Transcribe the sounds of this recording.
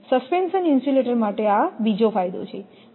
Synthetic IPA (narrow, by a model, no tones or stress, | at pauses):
səspenʃəninsʈileʈəɾmaʈeabid͡ʒofajd̪o̰t͡ʃʰe